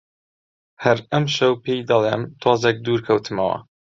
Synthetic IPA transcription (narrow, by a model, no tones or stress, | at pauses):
hɐɾɐmʃɐwpejd̪ɐlˠemt̪ʰwɑːzek̚d̪uːɾkʰɐwt̪ʰɨmɐwɐ̰